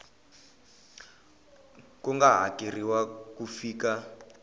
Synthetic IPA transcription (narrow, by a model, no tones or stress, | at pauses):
kuŋɡaɦa̰keriwakufiːka